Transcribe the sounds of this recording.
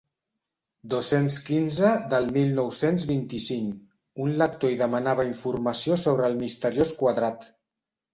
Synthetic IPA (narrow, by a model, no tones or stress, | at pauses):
d̪osenskinzəd̪əlˠmilˠnɔwsenzβint̪isiŋk | unlak̚t̪oiðəmənaβəiɱfuɾməsiosoβ̞ɾəːlˠmist̪əɾjoskwaðɾat̪